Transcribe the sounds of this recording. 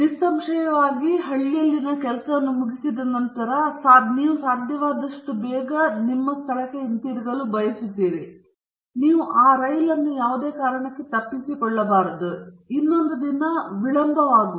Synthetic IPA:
nisɐmʂɐjɐʋaːɡiɦɐɭːjɐlːinɐkɛlɐsɐʋɐnːumuɡisid̪ɐnɐnt̪ɐɾɐsaːniːʋusaːd̪ʱjɐʋaːd̪ɐʂʈubɛːɡɐnimːɐst̪ʰɐɭɐkːeint̪iːɾiɡɐlubɐjɐsud̪iːɾi | niːʋuʔaːɾɐjlɐnːujaːʋud̪eːkaːɾɐɳɐkːet̪ɐpːisikɔɭːɐbaːɾɐd̪uinːo̞nd̪ɐd̪inɐʋiɭɐnd̪ɐʋaːɡi

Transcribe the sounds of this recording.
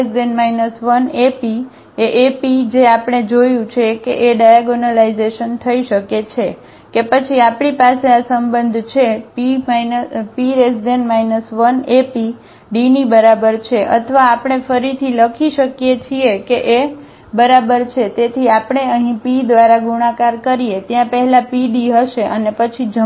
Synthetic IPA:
esdenmainəsʋənepi | eʔepid͡ʒeapɽ̃ed͡ʒojũt͡ʃʰekeʔeɖajaɡonəlaizeʃənt̪ʰəiʃəket͡ʃʰe | kepət͡ʃʰiapɽipaseasəmbənd̪ʱt͡ʃʰepimajnəpiɾesdenmainəsʋənepi | ɖinibəɾabəɾt͡ʃʰeʔə̰t̪ʰəʋaːpɳ̃efəɾit̪ʰiləkʰiʃəkjet͡ʃʰiekeʔe | bəɾabəɾt͡ʃʰet̪et̪ʰiapɳ̃eəɦĩpid̪ʋaɾaɡuɽ̃ãkaɾkəɾijet̪jãpəɦɛlapiɖiɦəʃeʔənepət͡ʃʰid͡ʒə

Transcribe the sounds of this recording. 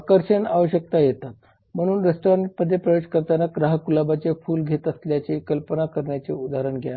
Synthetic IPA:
kəɾɕənaʋəɕək̚t̪ajet̪at̪ | m̤əɽ̃uːnɾesʈoɾəɳʈməd̪ʱːjepɾəʋed͡ʑkəɾt̪anaɡɾaɦkulabat͡ɕefuːlɡʱet̪əsljat͡ɕekəlpənakəɾɳjat͡seud̪ʱaɾəɳɡʱja

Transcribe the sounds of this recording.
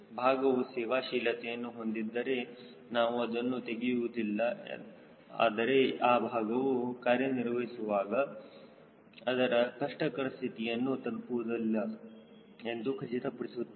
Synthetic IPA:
bʱaːɡɐʋusɛːʋaːʃiːlɐt̪ɛjɐnːuɦo̞nd̪id̪ːɐɾe̞ | naːʋuɐd̪ɐnːut̪e̞ɡijuʋud̪ilːɐ̰ | a̰ːd̪ɐɾe̞aːbʱaːɡɐʋukaːɾjɐniɾʋɐɦisuʋaːɡɐ | ɐd̪ɐɾɐkɐʂʈɐkɐɾɐst̪ʰit̪ijɐnːut̪ɐlpuʋud̪ilːɐ | e̞nd̪ukʰɐt͡ʃit̪ɐpɐɽisu

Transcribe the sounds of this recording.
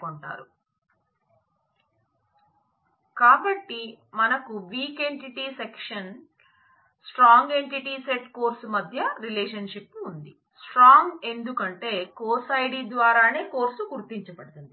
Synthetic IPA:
koɳʈa̰ːɾu | kaːbɐʈːimɐnɐkuʋiːke̞ɳʈiʈiːsekʂɐn | sʈɾaːŋɡe̞ɳʈiʈiːseʈko̞ːɾsumɐd̪ʱjɐɾileːʂ̬ɐnʃipːund̪i | sʈɾaːŋɡe̞nd̪ukɐɳʈe̞ːkoːɾsɐjɽid̪ʋaːɾaːne̞ːko̞ːɾsuɡuɾt̪iɲt͡ʃɐpɐɽut̪und̪i

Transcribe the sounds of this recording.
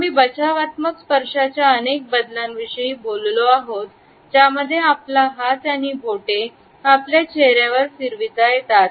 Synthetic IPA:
miːbət͡ɕaʋat̪məkspəɾʂat͡ɕjaənek̚bəd̪lamʋiʂəjiːbolloaɦot̪ | d͡ʑjaməd̪ʱːjeaplaɦat̪jañiːbʱoʈe | apljat͡ɕeɦɾjaʋəɾsiɾʋit̪ajet̪at̪

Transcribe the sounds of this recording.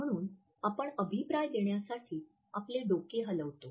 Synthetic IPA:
m̤əɽ̃uːn | apəɳəbʱipɾajd̪eɳjasaʈʰiː | apleɖokeɦələʋt̪o

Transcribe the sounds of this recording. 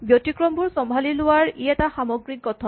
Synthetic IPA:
bjɔtikɹɔmbʱuɹsɔmbʱalilʊwaɹiɛtaxamɔɡɹikːɔtʰɔ

